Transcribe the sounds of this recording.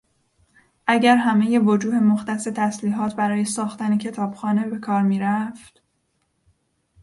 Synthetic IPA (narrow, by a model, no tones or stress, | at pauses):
ʔæɟæɾɦæme̞je̞vod͡ʒuːhe̞moxt̪æse̞t̪ʰæsliːɦɒːt̪ʰbæɾɒːje̞sɒːxt̪æne̞cʰe̞t̪ʰɒːb̥xɒːne̞be̞kʰɒːɾmiːɾæft̪